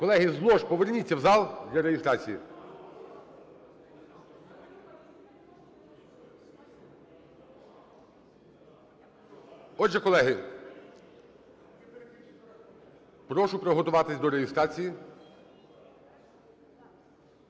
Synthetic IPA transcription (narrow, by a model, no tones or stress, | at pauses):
kɔlˠɛɦɪzlˠɔʃpɔʋernʲit͡sʲːɐwzɑlˠd̪lʲɐɾejɪst̪ɾɑt͡sʲiji | ɔdʒɛkɔlˠɛɦɪ | pɾɔʃʊpɾɔɦɔt̪ʊʋɑt̪ɪsʲd̪ɔɾejɪst̪ɾɑt͡sʲiji